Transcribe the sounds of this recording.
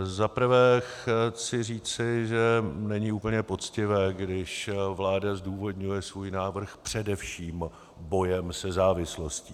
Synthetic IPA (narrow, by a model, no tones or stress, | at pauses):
zapr̩vɛːxt͡sɪriːt͡sɪʒɛnɛɲɪuːpl̩ɲɛpo̞t͡scɪvɛːɡdɪʃvlaːdazduːvo̞dɲujɛsvuːjnaːvr̩xpr̝̥ɛdɛfʃiːm | bo̞jɛmsɛzaːvɪslo̞sciː